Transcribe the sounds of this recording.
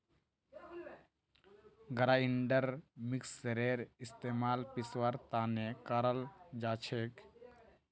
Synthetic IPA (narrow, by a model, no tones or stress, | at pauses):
ɡəɾaːiɳɖəɾmiksːeɾeːɾɪst̪eːmaːlpiswəɾt̪aːnekaɾəld͡ʒaːt͡ʃʰeːk